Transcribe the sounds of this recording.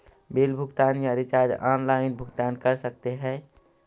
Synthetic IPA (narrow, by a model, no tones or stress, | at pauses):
beːlbʱʊɡt̪aːnjaɾit͡ʃaːɾd͡ʒaːnlaːɪnbʱʊɡt̪aːnkəɾsək̚t̪eɦɛ̃ː